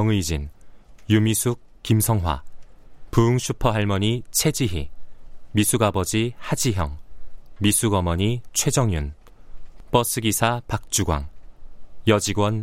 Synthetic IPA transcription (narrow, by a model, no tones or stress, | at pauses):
ʌŋɯid͡ʑinjumisʰuk̚ | kimsʰʌŋwa̰ | puuŋɕʰupʰʌɦaɭmʌɲit͡ɕʰe̞d͡ʑiɦimisʰuɡabʌd͡ʑihad͡ʑiɦjʌŋmisʰuɡʌmʌɲit͡ɕʰwe̞d͡ʑʌŋjun | p͈ʌs͈ʰɯɡisʰapak̚t͡ɕ͈uɡwa̰ŋ | jʌd͡ʑiɡwʌn